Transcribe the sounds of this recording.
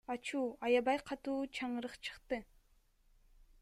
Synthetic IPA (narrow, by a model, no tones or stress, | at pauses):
ɑt͡ʃuːɑjɑβɑjqʰɑt̪uːt͡ʃʰɑɴɯɾɯqt͡ʃʰɯ̥qt̪ɯ